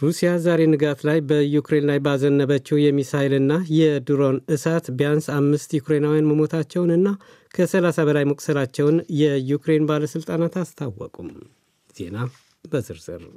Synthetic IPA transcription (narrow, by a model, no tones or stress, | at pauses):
ɾusijazaɾe̞nɨɡat̪lajbəjukɾe̞nlajbazənːəβət͡ʃːɛwjɛmisalɨnːajɛd̪ɨɾo̞nɨsat̪bjansamːɨst̪jukɾe̞nawjanməmo̞t̪ʰat͡ʃːɛwnɨnːa | kʰəsəlasaβəlajməkʼsəlat͡ʃːɛwnjɛjukɾe̞nbaləsɨlt̪ʼanat̪ast̪ʰawːɔ̰kʼum | z̥e̞̰na | bəzɨɾz̥ɨ̰ɾ